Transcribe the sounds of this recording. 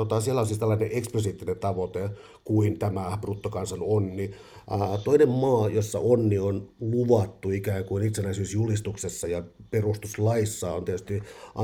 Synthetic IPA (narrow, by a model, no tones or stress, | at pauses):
ot̪ɑsielːæolsiːst̪ælːɑineʔeksposiːt̪ːinent̪ɑʋot̪e | kuint̪æmæbrut̪ːokɑnsɑnonːi | t̪oinemmɑːjosːɑ̰ʔonːionluʋɑt̪ːuikæːŋkuinit̪senæisyːsjulist̪uksesːɑjɑperust̪uslɑisːɑːont̪et̪ys̆t̪iʔɑ